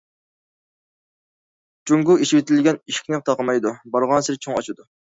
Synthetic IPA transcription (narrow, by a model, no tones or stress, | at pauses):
t͡ʃuŋɡuiʃiwɪt̪ʰɪlɡʲɛniʃi̥kʲnɪt̪ʰɑqəmɑjd̪ubɑɾʁɑnsɪɾt͡ʃʰoŋɑt͡ʃʰud̪u